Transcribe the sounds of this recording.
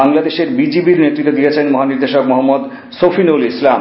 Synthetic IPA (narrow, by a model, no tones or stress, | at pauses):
aŋlad̪eʃeɾbid͡ʑibiɾnet̪ːɾit̪ːod̪ijet͡ɕʰenmɔɦaniɾd̪eʃokmɔɦamːod̪ | sofinolislam